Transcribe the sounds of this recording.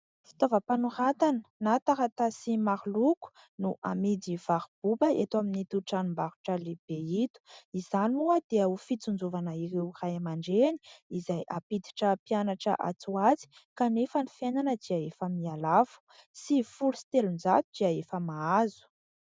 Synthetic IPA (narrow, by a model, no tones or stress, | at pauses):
fi̥t̪ovəpanuɾat̪anə̥nat̪aɾat̪asimaɾluku̥ | nuʔamid̪iv̥aɾib̥ubəet̪waminit̪uʈ͡ʂanumbaɾu̥ʈ͡ʂəleb̥eit̪u̥izanuəd̪̥eaufit͡sund͡zuvanəiɾewrajamaɳɖ͡ʐeni̥izajʔapid̪i̥ʈ͡ʂəpianaʈ͡ʂə̰ʔa̰t͡suat͡si̥kanefənifenanəd̪iaefəmialavu̥sifulusi̥t̪elund͡zat̪ud̪iaefəmaazu̥